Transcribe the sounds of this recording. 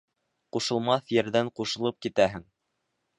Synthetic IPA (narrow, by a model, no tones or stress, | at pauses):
quʃɤ̆lˠmɑθjɘ̆ɾðæɴquʃɤ̆lˠɤp̚kit̪æɦɘŋ